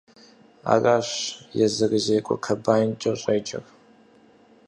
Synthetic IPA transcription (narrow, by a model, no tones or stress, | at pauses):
a̰ːraːɕjɛzɨɣɨzeːkʷʼɔ̰kʰɐbaːjnd͡ʒʼɐɕʼeːd͡ʒʼɐ̰r